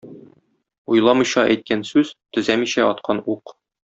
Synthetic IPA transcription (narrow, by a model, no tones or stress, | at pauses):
ujlˠɑmɤ̆jɕɑʔæjt̪̚kænsʉz̥t̪ɵ̆zæmiɕæɒt̪̚qʰɑnuq